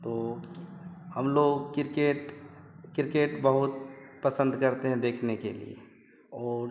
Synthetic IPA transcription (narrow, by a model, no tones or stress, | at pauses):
t̪oː | hɐmloːɡkɪɾkeːʈkɪɾkeːʈbɐɦʊt̪̚pɐsə̃nd̪kɐɾt̪eɦɛ̃d̪eːkʰnekelḭḛ | ɔːɾ